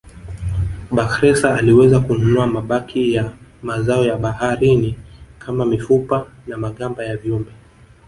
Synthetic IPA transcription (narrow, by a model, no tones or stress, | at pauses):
ɓaxɾɛsaːliwɛzakununuamaɓakʰijamazaɔjaɓahaɾinikʰamamifupa | namaɠambajaviumbɛ